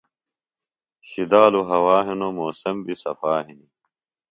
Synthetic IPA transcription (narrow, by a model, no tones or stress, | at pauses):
ɕid̪aːluɦɐwaːɦinomoːsɐmbisɐ̰faːɦini